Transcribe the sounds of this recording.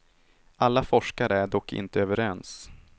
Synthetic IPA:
ʔalːafɔʂkaɾəæɖɔkːɪ̰nt̪əøːvəɾɛns

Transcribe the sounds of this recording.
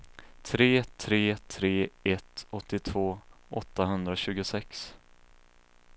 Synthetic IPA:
t̪ʰɾeːt̪ʰɾeːt̪ʰɾeːɛt̪ɔt̪ːɪt̪ʰvoːʔɔt̪ːaɦɵnd̪ɾaɕʉ̟ːɡʊsɛks

